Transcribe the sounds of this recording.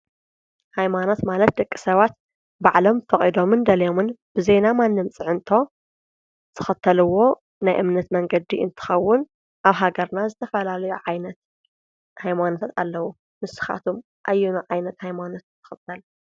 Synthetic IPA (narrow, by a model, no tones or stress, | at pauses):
hajmano̞t̪malɐt̪̚d̪ɐkʼːisɐβat̪̚ | baʕlo̞mfɐχʼid̪o̞mɨnd̪ɐlɐjo̞mɨnb̥ɨze̞namanːɨmt͡sʼɨʕɨnt̪ʰo̞ | t̪ʰɨ̥xɐt̪ʰːɐlɨwːo̞ | najʔɨmnɐt̪mɐŋɡɐd̪iɨ̰nt̪ʰɨ̥xɐwːʊn | ʔaβɦaɡɐɾnazɨt̪ʰɐfɐlalɐjuʕajnɐt̪ | hajmanot̪ʰat̪a̰lːɐwu | mɨsɨ̥xa̰t̪ʰum | ʔajːunuʕajnɐt̪hajmano̞t̪t̪ʰːɨ̥xɨt̪ʰːɐl